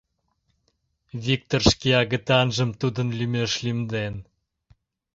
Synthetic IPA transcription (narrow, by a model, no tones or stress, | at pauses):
vʲik̚t̪orʃkiɑɣə̆t̪ɑnʒə̆mt̪ud̪ə̆nlymʲeʃlymd̪en